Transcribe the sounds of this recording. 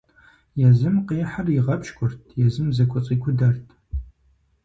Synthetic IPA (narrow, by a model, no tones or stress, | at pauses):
jɛzɨmqiːħarɪʁɐpʃkʷʰʼʊrtʰjɛzɨmzɐkʷʰʼʊt͡sʼiːkʷʰʊdɐrtʰ